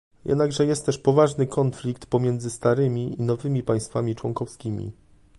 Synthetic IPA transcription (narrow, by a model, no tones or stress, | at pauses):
jʔɛ̰d̪naɡʐɛjɛst̪t̪ːɛʂpɔvaʐnɘkɔnflʲik̚t̪pɔmʲjɛnd̪zɘst̪aɾɘmʲiinɔvɘmʲipaj̃st̪famʲit͡ʂwɔŋkɔfskʲimʲḭ